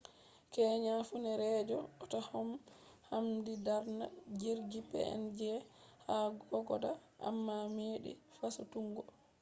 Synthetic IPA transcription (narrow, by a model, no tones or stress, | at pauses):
kɛːɲafunɛɾɛːd͡ʒɔɔtɔhɔmhamdidaɾnad͡ʒiɾɡipɛ̰ɛ̰nd͡ʒɛhaɡɔɡɔdaʔa̰mːameːɗḭfasutuŋɡɔ